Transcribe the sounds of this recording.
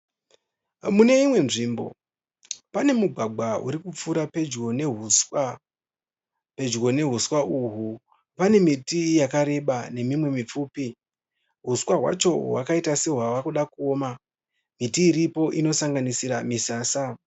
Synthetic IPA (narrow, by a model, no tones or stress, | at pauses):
mune̞imwe̞nʐiːmbo̞̰ | pane̞muɡʱwaɡʱwaṵɾikup͡fuɾape̞d͡ʒɡo̞neɦuswa | pe̞d͡ʒɡo̞ne̞ɦuswauɦu | pane̞mitijakaɾe̞ɓane̞mimwe̞mip͡fuːpi | ɦuswaɦwa̰t͡ʃo̞ɦwakaitase̞ɦwaʋakuɗakuoːma | mitiːɾipo̞ʔino̞saŋɡanisiɾamisaːsa